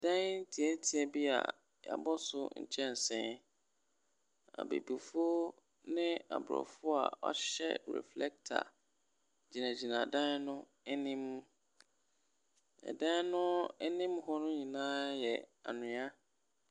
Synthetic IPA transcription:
d̥ã˦n˦n̩˦tʰi˨ɛ˦tʰi˨ɛ˨bi˦a̰˨ | ja̰˨bɔ˦sʊ˦ɲ̩̰˨t͡ɕʰɛ̃˦n˨sɛ̃˦ | a̰˨bḛ˨bi˨fʊ˦o˦ | nɪ̃˦a̰˨bɾɔ̰˨fʊ˦a̰˨ɔ̰˦ɕɛ̰˦ɾɛ̰˨flɛ˦k̚tʰa̰˨ | d͡ʑi˨nã˨d͡ʑi˨nã˨dã˦nnʊ̃˦ | ɛ˦nĩ˦m˦ | ɛ̰˨dã˦nʊ̃˦ɛ˦nĩ˦mɦɔ˦nʊ̃˦ɲĩ˨nãː˦jɛ˨a̰˨nʊ̃˨a˦

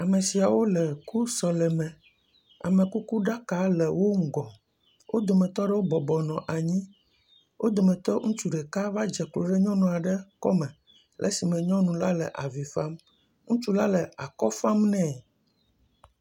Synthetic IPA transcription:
a˨me˨si˨a˨wo˦lɛ˨ku˦sɔ˨lɛ˨mɛ̃˨ | a̰˨mẽ˨ku˦ku˦ɖa˦ka˦lɛ˨wo˦ŋ̩˦˨ɡɔ˨ | wʔo˦d̪o˨mẽ˨t̪ɔ˦ɖɛ˦wo˦bɔ˨bɔ˨nɔ̃˨ʔa˨ɲĩ˦ | wʔo˦d̪o˨mẽ˨t̪ɔ˦ŋũ˦t͡ʃu˦ɖe˨ka˦va˦d͡ʒɛ˨klo˨ɖɛ˦ɲɔ̃˦nũ˨a˨ɖɛ˦kɔ˦mɛ̃˨ | lʔɛ̰˦si˨mɛ̃˨ɲɔ̃˦nũ˨la˦lɛ̰˨ʔa˨vi˨fa˦m | ŋũ˦t͡ʃu˦la˦lɛ˨a˨kɔ˦fa˦mnɛ̃˦˨

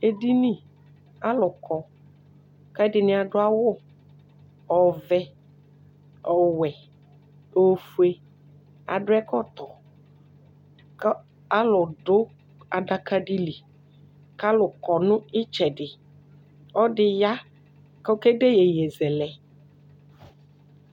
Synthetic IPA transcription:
e˨di˦nĩ˦ | a˦lʊ˨kʰɔ˨ | ka˦dɪ˨nɪ˨a˨dʊ˦a˦wʊ˦˨ | ɔ˨vɛ˦ | ɔ˨wɛ˨ | o˨fu˦e˦ | a̰˨dʊ˦ɛ˦kɔ˦t̪ɔ˨˦ | a˦lʊ˨ɖʊ˦ | a˨da˨ka˦di˦li˨ | ka˦lʊ˨kɔ˨nʊ̃˦ɪ˦t͡ʃɛ˨dɪ˨ | ɔ˦dɪ˨ja˦ | kɔ˦ke˦de˦je˨jɛ˨zɛ˨lɛ˨

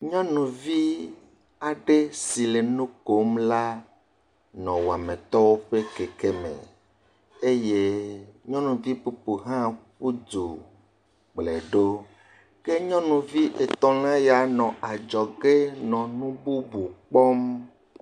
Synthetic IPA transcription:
ɲɔ̃˦nũ˨vi˦ | a˨ɖe˦si˨le˨nũ˦ko˨˦mla˦ | nɔ̃˨wo˨a˨mẽ˨t̪ɔ˦wo˦ɸe˦ke˨ke˦mḛ̃˨ | e˦je˦ɲɔ̃˦nũ˨vi˦pu˨pu˨ɦã˦ku˦do˨ | ɡ͡ble˨ɖo˦ | ke˦ɲɔ̃˦nũ˨vi˦ʔe˨t̪ɔ̃˨lã˦ja˨nɔ̃˨ʔa˨d͡ʒɔ˨ɡe˦nɔ̃˨nũ˦bu˦bu˨k͡pɔ˦m

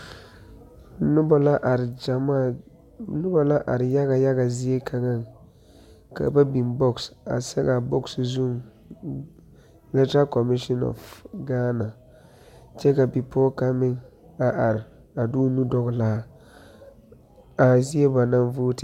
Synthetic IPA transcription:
nʊ˦ba˦la˦ʔɾɪ˨d͡ʒa˨ma˦˨ | nʊ˦ba˨la˦ʔa̰˨ɾɪ˨ja˦ɣa˨ja˦ɡa˨zi˦e˦kʰa˨ŋa˦˨ŋ | ka̰˨ba˦bi˨nbɔ˦ksa̰˨sɛ̰˦ka˨bɔ˦kszu˦m | lɛ˦ta˦kɔ˨mɪ˦ʃɔ˦nɔ̰˨fɡaː˦na˨ | t͡ʃɛ˦ka˨bi˨pʰɔː˦ka˦mɪ˦ŋ | a˨ʔa˨ɾɪ˨ | a˨du˦nu˦dɔ˦ɣla˦ | a˨zi˦e˦ba˨na˦nvoː˦tɪ˨

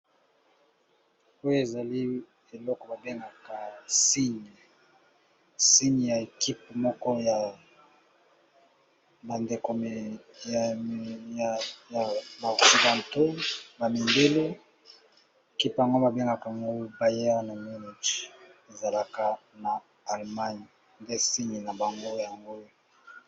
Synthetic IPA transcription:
o˦jo˦e˨za˨li˦ | e˨lɔ˦kɔ˨ba˨be˦ŋɡa˨ka˨si˦ɲ˨ | si˦ɲ˨ja˨e˨ki˦pmɔ˦kɔ˦ja˨ | ba˨nde˨ko˨ | ja˨ba˨o˨ksi˨ɡa˨nto˦ba˨mi˨mbe˦lo˦ | e˨ki˦pja˨ŋɡo˦ba˨be˦ŋɡa˨ka˨ŋɡo˦ba˨je˦na˨mu˦ni˨t͡ʃe˨za˨la˦ka˦˨naː˨ | lma˦ɲi˨ | nde˦si˦ɲi˨na˨ba˨ŋɡo˦ja˨ŋɡo˦

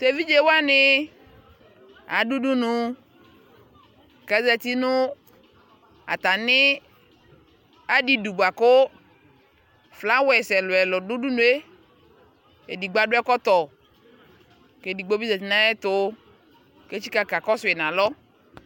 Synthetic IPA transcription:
t̪e˨vi˦d͡ʒe˦wa˦nɪ˦ | a˨du˦du˦nʊ˨ | ka˨˦zɛ˨t̪i˦nʊ˦ | a̰˨t̪a˨nɪ˦ | a˨di˦du˨bu˨a˨kʊ˦ | fla˦wɛ˨sɛ˨lʊ˨ɛ˨lɔ˨dʊ˦du˦nũ˨e˦ | e˨di˨ɡ͡ba˦dʊ˦ɛ˦kɔ˦t̪ɔ˨ | ke˨di˨ɡ͡bo˦bi˦ze˨t̪i˨nã˦ɛ˦t̪ʊ˦ | ke˦t͡ʃi˦ka˨ka˨kɔ˦sʊ˨ɛ˨nã˨lɔ˦

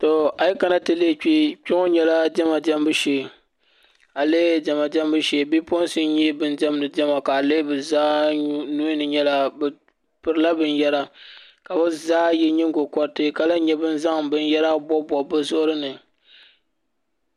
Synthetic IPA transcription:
to˨a˨ji˦ka˨na˦tɨ˨le˦˨k͡pi˦k͡pɪ˦ŋo˦ɲɛ˨la˦d͡ʒɛ˦ma˨d͡ʒɛ˦mbɨ˦ʃe˨ | a˨leː˦d͡ʒɛ˨ma˨d͡ʒɛ˦mbɨ˦ʃe˨bi˦po˦n˦sɨ˦n˦ɲi˦bɨ˦nd͡ʒɛ˦mnɨ˨d͡ʒɛ˦ma˨ka˨le˦bɨ˨zaː˦nu˦nɨ˨ɲɛ˦la˦b | pɨ˨ɾɨ˦la˦bɨ˨njɛ˦ɾa˦ | ka˨bɨ˦zaː˦jɛ˦ɲɨ˦ŋ˦ɡo˨kɔ˦ɾtɨ˦ka˨la˦ɲɛ˦bɨ˦n˦za˦ŋbɨ˦n˦jɛ˦ɾa˦bɔ˦bɔ˨bɨ˦zʊ˦ʔʊ˦ɾɨ˦nɨ˨

